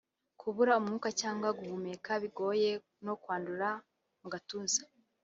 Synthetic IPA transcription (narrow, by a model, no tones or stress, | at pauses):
kʰuβuɾaumŋuːkacaːŋɡwaɡuβumekaβiɡo̞ːje̞ | no̞kwaːnduɾa | muɡatuːnzḁ